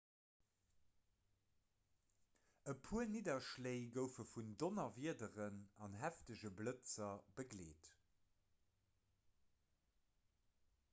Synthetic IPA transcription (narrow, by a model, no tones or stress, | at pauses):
əpʰuənidɐʃleɪɡəʊfəfundonɐviədəʁənɑnɦæftəʑəblət͡sɐbəɡleːt